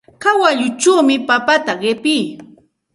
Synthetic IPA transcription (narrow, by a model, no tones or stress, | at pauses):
kawaʎʊt͡ʃawmɪpapat̪aɢɪpɪj